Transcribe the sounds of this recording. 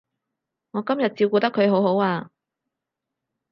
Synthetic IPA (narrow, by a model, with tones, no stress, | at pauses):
ŋɔː˨˧kɐ˥mjɐ˨t̚t͡siː˧wkuː˧t̪ɐ˥kʰːɵ˨˧ɥɦo˨˥who˨˥waː˧